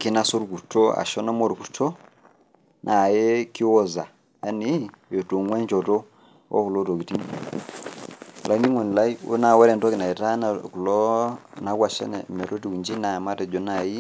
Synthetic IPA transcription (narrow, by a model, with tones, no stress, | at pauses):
ki˨na˦sɔ˦ɾu˨ku˨tɔ˦a̰˨ʃɔ˦nɔ˦mɔ˦˨ɾu˨ku˦tʰɔ˦ | nʔa˨jɛ˦ki˦wɔ˨za˨ | a˦ni˦jɔ˨tu˨ŋwɛ˦nd͡ʒɔ˨tɔ˦ | ɔ̰˦ku˨lɔ˦tɔ˨ki˨ti˦˨ | lʔa˨i˦ni˦ŋwɛ˨n˨la˦i˦ṵ˦na˨wɛ˦ɾɛ˨ntɔ˦ki˨na˨ɛ˨ta˦na˨ku˨lɔ˦na˨˦kwa˨ʃɛ̰˦nɛ̰˨mɛ˨tɔ˦ti˦ku˨ɲd͡ʒi˦na˨ma˦tɛ˨d͡ʒɔ˨na˨ji˦